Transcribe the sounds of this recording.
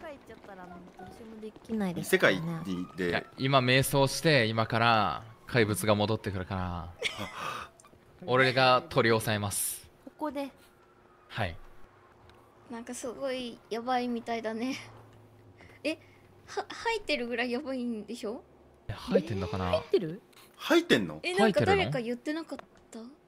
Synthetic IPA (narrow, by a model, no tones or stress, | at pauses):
ekait͡ɕːat̪ːaɾanãŋkad̪oɕemod̪e̞kʲinaid̪esekaineid̪eimame̞ːso̞ːɕi̥t̪e̞imakaɾa̰kʰaibɯ̟t͡sɨɡamo̞d̪o̞t̪ːe̞kɯ̟ɾɯ̟kaɾa | o̞ɾe̞ɡat̪ʰo̞ɾʲio̞sae̞masɨ̥koko̞d̪e̞ | hai | nãŋkasɨɡo̞ijabaimʲit̪aid̪ane̞ | e | hahait̪ːe̞ɾɯ̟ɡɯ̟ɾaijabaind̪e̞ɕo̞ː | ehait̪ːe̞nːokana̰it̪ːeɾɯ̟hait̪ːẽ̞nːo̰enãitkaed̪aɾe̞kajɯ̟t̪ːe̞nakat̪ːa